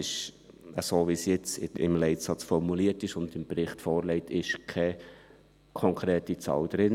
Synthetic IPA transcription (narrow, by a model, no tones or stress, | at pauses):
ɪʃ | əsoːʋisjɪt͡sɪɪ̰mlɛɪtsɑt͡sfɔɾmuliətɪʃʊnd̪ɪmbɾɪχtfɔːɾlɛɪtʰɪʃkʰɛ | kʰɔŋkʰɾɛːtit͡sɑ̰ːwd̪̥ɾɪn